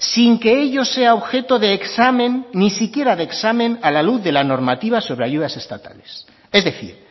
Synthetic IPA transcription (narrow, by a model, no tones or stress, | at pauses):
siŋke̞eʎo̞se̞aoβxe̞t̪o̞ðeːksamẽ̞nːisikje̞ɾaðeksamẽ̞nalaluθðe̞lano̞ɾmat̪iβ̞aso̞β̞ɾeaʝuðase̞st̪at̪a̰le̞s | e̞zðe̞θḭɾ